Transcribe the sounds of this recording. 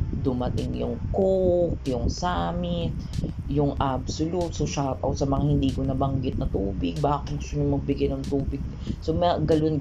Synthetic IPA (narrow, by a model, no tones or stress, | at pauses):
d̪ʊmɐt̪ɪŋjʊŋkokjʊŋsaːmɪt̪̚ | jʊŋʔabsʊlut̪soʃat̪ʔɐ̰w̪sɐmɐŋahɪnd̪iːkonɐbɐŋɡɪt̪̚nɐt̪uːbɪɡ̚baːkɪt̪ɡʊst̪oɲʊŋmɐɡ̚bɪɡɛnɐŋt̪uːbɪɡ̚ | somɐɡɐlon